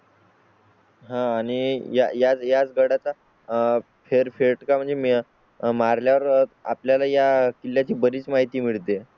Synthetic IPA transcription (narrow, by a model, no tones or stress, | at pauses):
ɦãːɽ̃ija̰jat͡sjat͡sɡəɽat͡sa | feɾfeɾʈkam̤əɳd͡zem | maɾljaʋəɾa̰pljalajakilːjat͡ɕiːbəɾiːt͡smaɦit̪iːmiɭt̪e